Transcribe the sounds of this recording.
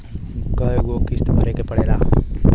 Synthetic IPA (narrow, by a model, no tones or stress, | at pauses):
kəɡoːkɪst̪baɾekepɐɽeːlaː